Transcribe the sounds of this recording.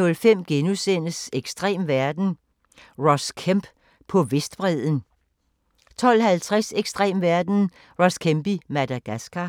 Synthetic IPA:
ɔ̽lfem̰ɡ̥enusen̰əseɡ̥sd̥ʁḛːmʋæɐd̥n̩ | ʁɒskʰemb̥ | pʰɒ̽ʋe̝sd̥b̥ʁɛð̰ˠən̩ | t͡sʰɒ̽l̰hælt͡sʰʁaseɡ̥sd̥ʁɛ̰ːmʋæɐd̥n̩ | ʁɒ̽skʰemb̥imæd̥æɡ̥æsɡ̥æ

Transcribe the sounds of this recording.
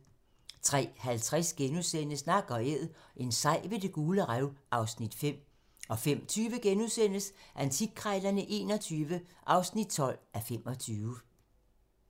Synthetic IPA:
t͡sʰʁɛ̰ːhælt͡sʰʁɛsɡ̥enusen̰əsnɑ̈ɡ̥ɒ̽eð̰ˠʔe̝nsɑ̈ɪ̰ʋe̝d̥e̝ɡ̥uːləʁaʊʔɑ̈ʊsnid̥fem̰ | ɒ̽fem̰t͡sʰyːʋəɡ̥enusen̰əsʔænt͡sʰiɡ̥̚kʰʁɑɪl̥ɐnəʔe̝̰ːnɒ̽t͡sʰyːʋəʔɑ̈ʊsnid̥̚t͡sʰɒ̽l̰æfem̰ɒ̽t͡sʰyːʋə

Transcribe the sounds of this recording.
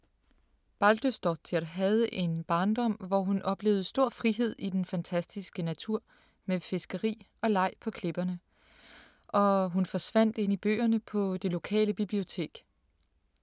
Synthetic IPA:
b̥ɑld̥øsd̥ɒt͡sʰiɐɾɦæð̞ˠəʔe̝nb̥ɑ̈ːnd̥ɒ̽m̰ʋɒɦunʔɒ̽b̥le̝̰ʊð̩ˠsd̥o̝ɐ̰fʁiɦe̝ð̞̰ˠid̥enfænt͡sʰæsd̥isɡ̥ənæt͡sʰuɐ̰ | mefe̝sɡ̥əʁḭː | ɒ̽lɑ̈ɪ̰pʰɒ̽kʰle̝b̥ɐnə | ʔɒ̽ɦunfɒ̽sʋæn̰d̥e̝n̰ib̥ø̰ːɐnəpʰɒ̽d̥e̝lo̝kʰɛ̰ːləb̥ib̥lio̝t͡sʰe̝̰ːɡ̥

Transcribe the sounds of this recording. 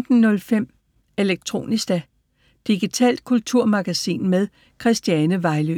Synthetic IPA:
d̥n̩nːɔ̽lfem̰ | e̝leɡ̥̚t͡sʰʁo̝̰ːnisd̥æ | d̥iɡ̥it͡sʰɛ̰ːld̥̚kʰult͡sʰuɐ̰mɑ̈ɡ̥æsḭːnmeð̞ˠ | kʰʁɛsd̥jɛnəʋɑ̈ɪly

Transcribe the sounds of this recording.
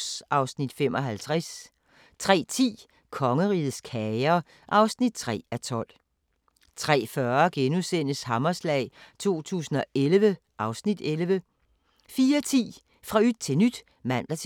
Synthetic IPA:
sʔɑ̈ʊsnid̥fem̰ɒ̽ɦælt͡sʰʁɛs | t͡sʰʁɛ̰ːt͡sʰḭː | kʰɒ̽ŋəʁḭːð̩ˠskʰɛɐ | ʔɑ̈ʊsnid̥̚t͡sʰʁɛ̰ːæt͡sʰɒ̽l̰ | t͡sʰʁɛ̰ːfɶɐɡ̥enusen̰əshɑmɐslɛ̰ɪt͡sʰo̝̰ːt͡sʰṵːsn̩ɒ̽ʔelʋə | ʔɑ̈ʊsnid̥elʋə | fiːɐt͡sʰḭː | fʁɑ̈yd̥̚t͡sʰe̝nyd̥ | mæn̰d̥ɐt͡sʰ

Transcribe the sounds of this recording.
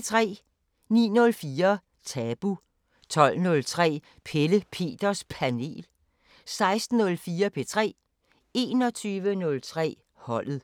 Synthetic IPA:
t͡sʰʁɛ̰ː | nḭːnɔ̽lfiːɐ | t͡sʰɛb̥u | t͡sʰɒ̽l̰nɔ̽lt͡sʰʁɛ̰ː | pʰeləpʰe̝̰ːd̥ɐspʰæne̝̰ːl | sɑ̈ɪsd̥n̩ːɔ̽lfiːɐpʰe̝t͡sʰʁɛ̰ː | e̝ːnɒ̽t͡sʰyːʋənɔ̽lt͡sʰʁɛ̰ː | hɒ̽l̰ð̩ˠ

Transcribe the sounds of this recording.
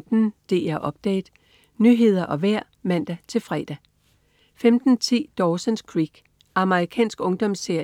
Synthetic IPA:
d̥n̩d̥e̝̰ːæɐʔɒ̽b̥d̥ɛ̰ːd̥ | nyɦe̝ð̞ˠɐʔɒ̽ʋæɐ̰mæn̰d̥æt͡sʰe̝lfʁɛ̰d̥æ | femd̥n̩t͡sʰḭːd̥ɒːsənskʰʁiɡ̥ | ʔɑ̈məʁikʰɛ̰ːnsɡ̥ɔ̽ŋd̥ɒ̽mse̝ɐ̰

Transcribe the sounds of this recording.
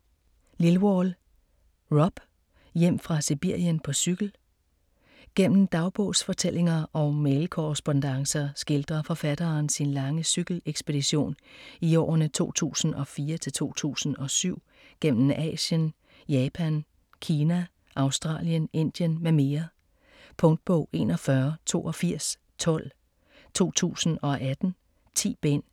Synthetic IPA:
lilwɒl | ʁɒ̽b̥ | jem̰fʁɑ̈sib̥iɐ̰jənpʰɒ̽syɡ̥l̩ | ɡ̥en̰m̩d̥ɑ̈ʊb̥ɔ̽ːsfɒ̽t͡sʰel̰ʔe̝ŋɐʔɒ̽melkʰoʁɛsb̥ond̥ɑ̈ŋsɐsɡ̥eld̥ʁɐfɒ̽fæd̥ɐːnsinlɑ̈ŋəsyɡ̥l̩eɡ̥sb̥e̝d̥iɕo̝̰ːniɒ̰ːɐnət͡sʰo̝̰ːt͡sʰṵːsn̩ɒ̽fiːɐt͡sʰe̝lt͡sʰo̝̰ːt͡sʰṵːsn̩ɒ̽syʊ̰ | ɡ̥en̰m̩ɛ̰ːɕjən | jɛːpʰæn | kʰiːnæ | ʔɑ̈ʊsd̥ʁɑ̰̈ːljəne̝n̰d̥jənmeme̝ːɐ | pʰɔ̽ŋd̥̚b̥ɔʊ̰ʔe̝̰nɒfɶɐt͡sʰo̝̰ːʔɒ̽fiɐ̰s | t͡sʰɒ̽l̰ | t͡sʰo̝̰ːt͡sʰṵːsn̩ɒ̽ʔæd̥n̩ | t͡sʰḭːb̥en̰

